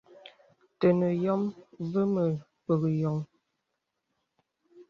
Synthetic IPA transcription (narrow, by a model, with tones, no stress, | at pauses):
tə˨nə˨jɔ˦mvə˦mə˨ | pə˨ɣə˨jɔ˨ŋ